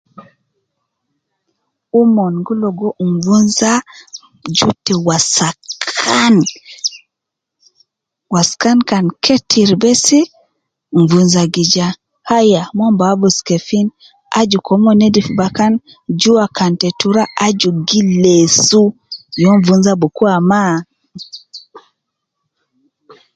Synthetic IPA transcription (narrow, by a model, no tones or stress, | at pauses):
umɔnɡulɔɡɔnvunza | d͡ʒutːɛwasakkʰan | waskankankʰetʰiɾbɛsi | ɱvunzaɡid͡ʒa | hajamɔmbabuskɛfin | a̰d͡ʒukɔmɔnɛdifubakan | d͡ʒuakantɛtuɾaʔad͡ʒuɡilɛsujɔɱvunzabɔkuama